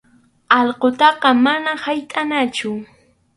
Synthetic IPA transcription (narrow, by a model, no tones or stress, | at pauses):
ɑʎqot̪ɑqɑmanahajt̪ʼanat͡ʃʊ